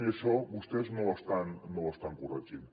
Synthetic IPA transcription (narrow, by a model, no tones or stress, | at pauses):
esoɡust̪esnost̪anːoost̪aŋkurat͡ʃin